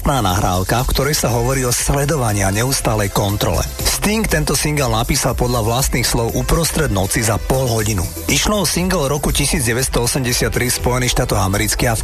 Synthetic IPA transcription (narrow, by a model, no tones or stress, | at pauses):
t̪naːna̰ɦɾa̰ːʊkafkt̪ɔɾɛjsaɦɔʋɔɾiːɔslɛd̪ɔʋaɲɪaɲɛuːst̪aːlɛjkɔnt̪ɾɔ̰lɛ̰st̪iŋkt̪ɛnt̪ɔsiŋɡɛlnapiːsalpɔd̪ʎaʋlast̪niːxslɔʊʔupɾɔst̪ɾɛd̪nɔt͡sizapɔlɦɔɟinṵ | iʃlɔːsiŋɡɛlɾɔkucisiːd͡zɟɛʋɛst̪ɔɔsɛmɟɛsɪat̪ːɾifspɔjɛniːxʃt̪aːt̪ɔɣamɛɾit͡skia